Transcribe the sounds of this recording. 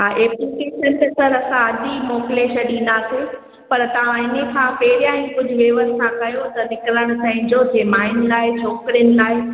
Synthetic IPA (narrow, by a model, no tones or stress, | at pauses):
ʔeːplikeːʃənt̪esɐɾɐsãɐʄimoːkɪleːʃɐɗĩːnd̪asʰe | pɐɾt̪ɐʋ̤ãɪnəkʰãpeːɾijãːĩkʊd͡ʑʱʊʋeːʋəssʰãkɐjõt̪ɐnɪkləɽ̃ʊt̪ʰɐ̃ɦɪ̃ɲ̆d͡ʑod͡ʑeːmaːɪnɪ̆laːɪt͡ɕʰɔːkɾijənɪ̆laːɪ